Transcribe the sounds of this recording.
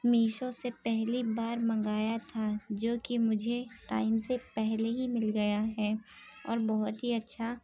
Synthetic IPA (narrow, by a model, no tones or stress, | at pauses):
miːʃõsepɛɦlibaːɾmɐ̃ŋ̆ɡaːjat̪ʰad͡ʒoːkimʊd͡ʒʱeʈa̰ːɪmsepɛɦleɦimɪlɡɐjaɦɛːɔːɾbɔɦʊt̪ɦiɐtːʃʰa